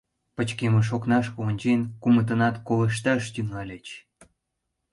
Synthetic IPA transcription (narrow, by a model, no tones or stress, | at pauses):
pət͡ɕkeməʃ̬oknɑʃonʲt͡ɕenkumət̪̬ənɑt̪koləʃ̬t̪ɑʃt̪yŋɑlʲet͡ɕ